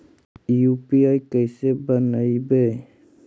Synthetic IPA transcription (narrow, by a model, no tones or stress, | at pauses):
jupiaːjkəsebənaibe